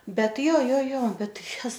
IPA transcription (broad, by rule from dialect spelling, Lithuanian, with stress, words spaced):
ˈbʲɛt ˈjoː ˈjoː ˈjoː ˈbʲɛt ˈtɐɪ ˈjɛs